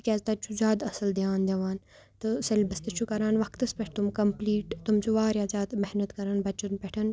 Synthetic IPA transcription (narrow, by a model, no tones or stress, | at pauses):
kʲɛːzt̪ɐt͡ʃʰud͡ʒaːd̪ɐsɐld̪aːnd̪ʲɐʋaːn | t̪ɨsɐlʲbɐst̪ɐt͡ʃʰukɐɾaːnʋɐkt̪ɐspʲɛʈʰt̪umkɐmpliːʈt̪umt͡ʃuʋaːɾʲjaːd͡ʒaːd̪mɛhnət̪kɐɾaːnbɐt͡ʃɐnpɛʈʰɐn